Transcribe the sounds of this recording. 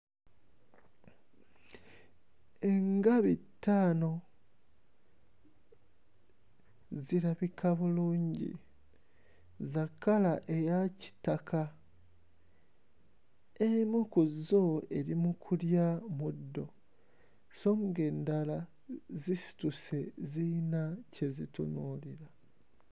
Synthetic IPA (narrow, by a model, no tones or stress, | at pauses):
e̞ŋɡaβitːaːno̞ | ziɾaβikʰaβuluːɲɟḭ | zakːalaʔe̞jaci̥takʰa | emukuzoe̞ɾimukʰuljamudːo̞ | so̞ːŋɡe̞ːndala | zisi̥tuse̞zinacʰe̞zitṵnuːliɾa